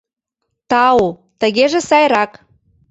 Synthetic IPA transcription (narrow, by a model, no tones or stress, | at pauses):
t̪ɑot̪ə̆ɣeʒĕsɑjɾɑk